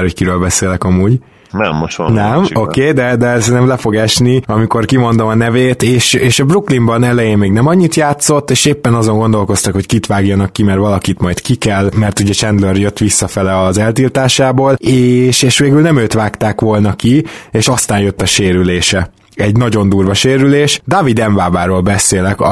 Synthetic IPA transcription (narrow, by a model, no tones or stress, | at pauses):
ho̞ckiɾøːlbɛseːlɛkɒmuːɟ | nɛ̰mːoʃnɛmokeːd̪ɛd̪ɛsɛnɛmlɛfo̞ɡɛʃniɒmiko̞rkimo̞nd̪o̞mɒnɛveːt̪eːʃeːʃɒbruklimbɒnɛlɛjeːmmeːɡnɛmɒɲːit̪jaːt̪so̞t̪ːeːʃeːpːɛnɒzo̞ŋɡo̞nd̪o̞lko̞st̪ɒkho̞ckit̪ʋaːɡjɒnɒkːimɛrʋɒlɒkit̪mɒjt̪kikɛlmɛrt̪uɟɛt͡ʃɛnd̪lørjøt̪ʋisːɒfɛlɛɒzɛlt̪ilt̪aːʃaːboːleːʃeːʃʋeːɡylnɛmøːt̪ʋaːkt̪aːkʋo̞lnɒkieːʃɒst̪aːnjøt̪ːɒʃeːɾyleːʃɛ | ɛɟnɒɟo̞nd̪uːrʋɒʃeːɾyleːʃd̪ɒvid̪ɛɱvaːbaːɾoːlbɛseːlɛk